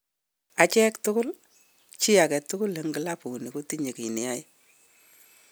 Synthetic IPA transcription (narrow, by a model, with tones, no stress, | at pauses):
a˨t͡ʃɛ˦ktʊ˦kʊ˦l | t͡ʃi˦a˨kɛ˨tʊ˦kʊ˦lːe˨˦ŋɡɨ˨˦la˦pu˨ni˨ko˦ti˦ɲe˨ki˨ni˨a˦j